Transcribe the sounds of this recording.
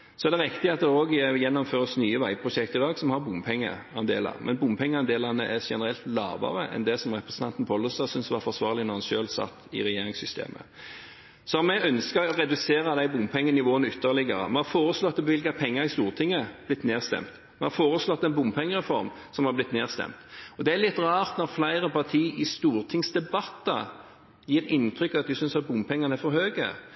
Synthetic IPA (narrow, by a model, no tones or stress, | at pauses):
sɔɛd̪ɛɾɪkt̪ɪɑt̪̚d̪ɛoːɡjɛnːɔmføːʁəsnyːəʋæɪpʰɾʊʃɛkt̪əɪlɑːɡsɔmhɑɾbʊmpʰɛŋːə̰ | ɑnd̪ḛːlɑ̰mʔɛnbʊmpʰɛŋːəɑnd̪eːlɑnəʔæʃɛnəɾɛlt̪lɑ̰ːʋɑ̰ʁəʔɛ̰nd̪ɛsɔmʁɛpɾəsən̩t̪ɑnt̪n̩pʰɔlːɔst̪ɑsʏnsʋɑɾfɔsʋɑːʁlɪnɔʁhɑnʃøːlsɑ̰t̪ːɪ̰ɾɛjeːɾɪŋsʏst̪ʰḛːmʔə̰ | sɔɑmɛɡœnskəɔʁɛd̪ʉseːɾəd̪æɪbʊmpʰɛŋːənɪʋoːənəʏt̪ːəɾlɪɡəɾə̰mɛhɑɾfoːɾəslɔt̪ːɔbʋɪlkɑpʰɛŋːəɾɪst̪uːʁt̪ʰɪŋːəblɪt̪neːʁst̪ɛ̰mt̪ | mɛhɑɾfoːɾəslɔt̪ːɛɪnbʊmpʰɛŋːəʁɛfɔɾm | sɔmhɑblɪt̪neːʁst̪ɛ̰mt̪ɔd̪ɛælɪt̪ːʁɑːʁt̪nɔʁflæɪʁəpɑt̪ʰiːʔɪst̪uːɾt̪ʰɪŋsd̪ɛbɑt̪ːə̰ | jiːɾɪnt̪ʰɾʏkːɑt̪̚d̪ʉsʏnsɑt̪̚bʊmpʰɛŋːɑnəæɾfɔɾhøːɡə̰